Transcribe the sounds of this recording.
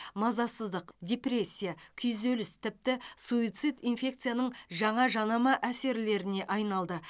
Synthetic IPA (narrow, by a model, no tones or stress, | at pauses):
mɑzɑsəzd̪əqdʲe̞pɾʲe̞sʲːijakʲʰʏjzelɪst̪ʰɪp̚t̪ɪsuit̪sɨt̪infʲe̞k̚t̪sɨjanəɴʒɑɴɑʒɑnɑmɑʔæse̞ɾɪle̞ɾɪne̞ʔɑjnɑlˠd̪ə